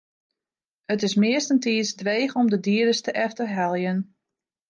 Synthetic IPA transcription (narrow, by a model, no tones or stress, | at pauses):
ətɪsmɪəstəntiːsdʋeːxɔmdədiədəstəʔɛftəɦɛlˠjən